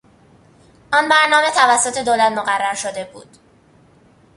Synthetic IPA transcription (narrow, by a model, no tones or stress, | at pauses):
ʔɒːnbæɾnɒːme̞t̪ʰævæsːot̪ʰe̞d̪oːlæt̪moɣærːæɾʃod̪e̞bṵːd̪̥